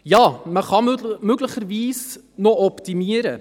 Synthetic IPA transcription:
jɑːməχɑmøɡləχəɾviːs | noɔptimiəɾə

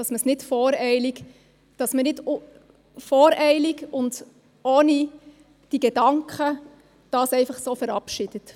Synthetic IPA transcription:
d̥ɑsməsnɪtfɔːɾɛɪlik | d̥ɑsmənɪd | fɔːɾɛɪliɡʊnd | oːni | d̥iɡ̥ɛd̥ɑŋkχə | d̥ɑːsɛɪfɑχsoːfəɾɑpʃɪd̥ət

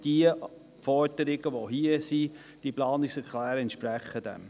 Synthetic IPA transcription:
d̥iə | fɔɾd̥əɾɪɡəʋoɦiəsi | d̥iplɑːnɪksɛɾklæːɾəɛntʃpɾɛχədɛ̰m

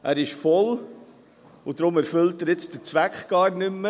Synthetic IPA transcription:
æːɾɪʃfɔl | ʊdɾʊmæɾfʏltəɾjɪt͡sd̥ət͡sʋækχɡ̥ɑːɾnʏmːə

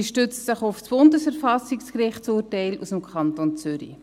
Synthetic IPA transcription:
ʃtøt͡stsɪχʊfsb̥ʊndəsɛɾfɑsikskrɪχt͡suːɾtæɪlṵsəmkʰɑntont͡sʏɾḭ

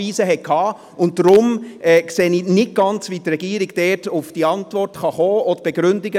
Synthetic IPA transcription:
iːsəɦɛkʰhɑː | ʊnt̚dɾʊmɛkseːniːnɪt̚ɡ̥ɑnt͡sʋitrɛɡ̥iːɾiɡd̥ɛːtʊfd̥iɑntvɔrtχɑχoːɔdəb̥ɛɡ̥ɾʉndɪɡə

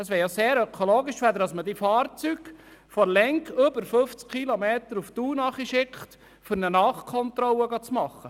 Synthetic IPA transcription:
əsʋɛːɾjɑseːɾœkʰoloːɡɪʃʋæd̪əɾɑsmədifɑːrt͡syɡ̥fɔɾlɛŋkʏbəɾfɵft͡skʰilomeːt̪əɾuft̪uːnɑχiʃɪkχt | fʏɾnənɑːχkʰɔnt̪ɾɔwəɡɑt͡smɑχːə

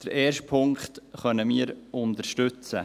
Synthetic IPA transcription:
d̥əɾʔeːɾʃtpʰʊŋkχtχœnəmiːəɾʊnt̪əɾʃtʉt͡sə

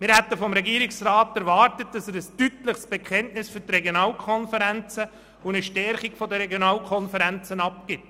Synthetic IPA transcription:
mɪɾhæt̪əfɔmɾɛɡiːɾɪksrɑːtæɾʋɑːtət̚d̥ɑsɛsəstytləχsb̥ɛkχɛntnɪsfʏɾtreɡjonɑːlkʰɔnfəɾænt͡sə | ʊnəʃtɛɾχiɡfɔdəɾɛɡjonɑːlkʰɔnfəɾænt͡sənɑp̚kɪt

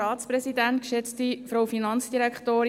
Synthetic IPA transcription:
ɑːtspɾɛsidæntkʃɛt͡stifɾowfinɑnt͡ssd̥iɾɛkχtoːɾ

